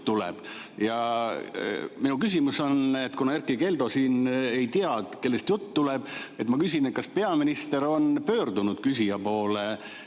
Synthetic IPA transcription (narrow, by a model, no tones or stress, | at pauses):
t̪ulḛb̥jɑ | minukysimuso̞net̪ːˑkunɑerkːˑike̞ld̪o̞siːnejt̪iɑd̪ke̞lːest̪jut̪ːt̪ːuleb̥e̞t̪ːmɑkysʲinet̪kɑspe̞ɑminist̪e̞ɾo̞npø̞ːrd̪unud̪̥kysijɑpo̞ːle